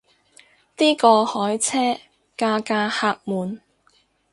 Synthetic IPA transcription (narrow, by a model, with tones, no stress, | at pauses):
t̪iː˥kɔː˧hɔː˨˥jt͡sʰɛː˥ | kaː˧kaː˧haː˧k̚muː˨˧n